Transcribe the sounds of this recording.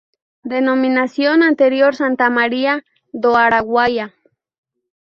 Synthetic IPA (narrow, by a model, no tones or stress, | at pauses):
d̪enominasjonant̪eɾjoɾsant̪amaɾia | d̪oaɾaɣwaja